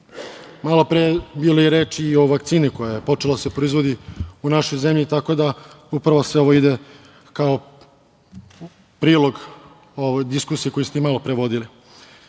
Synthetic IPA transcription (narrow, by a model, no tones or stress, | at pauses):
malopɾeebiːlojeɾeːt͡ʃːo̞ʋakt̪siːnikojajepo̞t͡ʂelaasepɾo̞izʋo̞d̪iunaʃo̞jzemʎit̪ako̞d̪a | upɾaʋoseo̞ʋoid̪e | kao | pɾiːlo̞ɡ | oʋojd̪iskuːsieko̞jist̪emalˠo̞pɾeʋo̞d̪ili